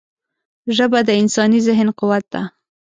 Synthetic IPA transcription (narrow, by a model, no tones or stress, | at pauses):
ʒəbad̪əɪnsɑnizɪɦnqʊwat̪̚d̪a̰